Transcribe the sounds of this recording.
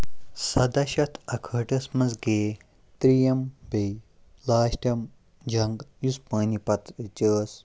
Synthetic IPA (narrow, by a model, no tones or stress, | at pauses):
sɐd̪ɐʃɐt̪ʰɐkʰəːʈɐsmɐzɡeː | t̪ɾijɐmbej | laːʃʈɐm | d͡ʒʱɐŋɡjuspɐːnipɐt̪t͡ʃəːs